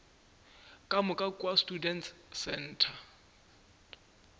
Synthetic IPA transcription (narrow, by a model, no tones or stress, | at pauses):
kʼamʊkʼakʼwastʼudɛntsɛn̩ːtʰa